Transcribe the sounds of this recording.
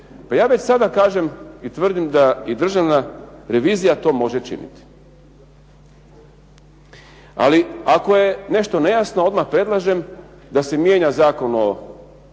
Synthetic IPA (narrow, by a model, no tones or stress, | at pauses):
pajaːʋe̞t͡ɕsad̪akaːʒe̞mit̪ʋr̩d̪imd̪aid̪r̩ʒaʋnaɾe̞ʋiːzijat̪o̞ːmo̞ʒet͡ʃḭnḭt̪i̥ | a̰liako̞je̞ne̞ʃt̪o̞ne̞jasnoo̞d̪maxpɾe̞d̪lˠaʒe̞m | d̪ase̞mjeɲazaːko̞no̞